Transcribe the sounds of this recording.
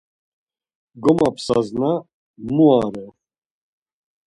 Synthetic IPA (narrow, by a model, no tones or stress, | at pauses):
ɡɔmapʰsa̰zna | muaɾɛ